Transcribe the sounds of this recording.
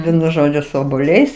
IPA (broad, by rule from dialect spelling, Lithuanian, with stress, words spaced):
ˈʋʲiɛnʊ ˈʒoːd͡ʒʲʊ sʊ oːbuɔˈlʲɛɪs